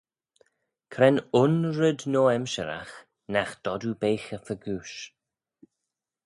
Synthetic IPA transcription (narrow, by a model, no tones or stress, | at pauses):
kʰɾɛnʊnɹəd̪noːɛmʃə̰ɾa̰x | naxd̪̥ɔdubejxəfəɡuːʃ